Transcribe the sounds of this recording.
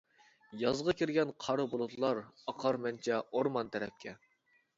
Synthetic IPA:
jɑzʁɑkʲiɾɡʲɛnqʰɑɾɨbolˠut̪ʰlˠɑɾɑqʰɑɾmɛnt͡ʃʰɛoɾmɑnt̪ʰɛɾɛ̰p̚kʲʰɛ

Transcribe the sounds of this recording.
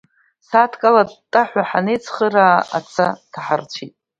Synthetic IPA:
satʰkʼalatʼaħʷaħanejt͡sʰχəɾaːa̰t͡sʰatʰaħart͡ɕʷʰitʼ

